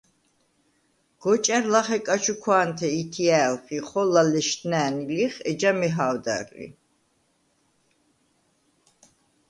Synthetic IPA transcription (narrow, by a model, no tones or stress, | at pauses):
ɡ̥ɔt͡ʃʼɛɾlaχɛkʼat͡ʃʰukʰwaːnt̪ʰɛit̪ʰialχiχɔlalɛʃt̪næːniliχɛd͡ʒamɛɦaːwd̪a̰rlḭ